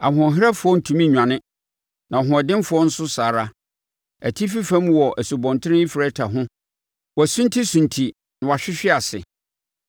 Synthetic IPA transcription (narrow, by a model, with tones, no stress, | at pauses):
a˨hʊ̃˨ɔ̃˨ɦɪ˦ɾɛ˦fʊ˨ɔ˦n̩˨tʰũ˨mĩ˦˨ɲᶣã˨nɪ̃˦ | nã˨ɦʊ̃˨ɔ˨dɪ̃˦nfʊ˨ɔ˦n̩˦sʊ˦saː˨ɾa˦ | æ˨tʰi˦fi˦fæ̃˦m˦wɔ˨ʔæ˨su˨bɔ̃˨ntʰɪ˦ɪ̃˦i˦fɪ˨ɾɛ˦tʰa˨ɦʊ̃˦ | wɔ˨æ˨sũ˦ntʰi˦sũ˨ntʰi˨ | nʊ̃˨wa˨ɕᶣɪ˦ɕᶣɪ˦a˨sɪ̰˨